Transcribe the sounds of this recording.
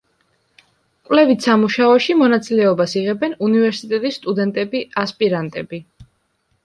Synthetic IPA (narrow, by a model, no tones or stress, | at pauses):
kʼwlɛvit̪ʰsamuʃaɔʃimɔnat̪sʼilɛɔbasiʁɛbɛnunivɛɾsit̪ʼɛt̪ʼisːt̪ʼud̪ɛnt̪ʼɛbiaspʼiɾant̪ʼɛbi